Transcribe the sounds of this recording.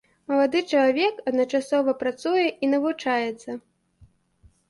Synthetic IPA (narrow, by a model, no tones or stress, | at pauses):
mɐlˠad̪ɨt͡ʂɐlˠavʲɛkɐd̪nɐt͡ʂasɔvɐpɾat̪sujɛʔinɐvut͡ʂajɛt̪sːɐ